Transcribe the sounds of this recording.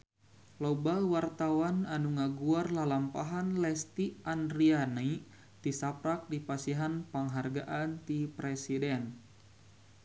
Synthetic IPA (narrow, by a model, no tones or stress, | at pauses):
lɔbawart̪awananuŋaɡuarlalampaɦanlɛst̪iandɾiana | t̪isapɾak̚dipasiɦanpaŋɦarɡaʔant̪ipɾɛsidɛn